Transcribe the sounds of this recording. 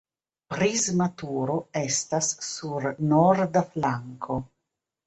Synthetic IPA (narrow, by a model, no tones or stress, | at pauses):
pɾizmat̪uːɾoest̪asːuɾnoɾd̪aflaŋkʰo